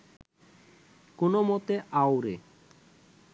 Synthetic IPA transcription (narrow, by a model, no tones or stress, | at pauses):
konomot̪eʔawɾe